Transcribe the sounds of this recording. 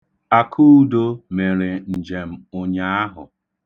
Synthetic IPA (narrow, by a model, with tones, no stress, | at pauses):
a˨kʰu˦u˦do˦me˨ɾɪ˨n̩˨d͡ʒe˨m̩˦ʊ˦ɲa˦a˦ɦʊ˨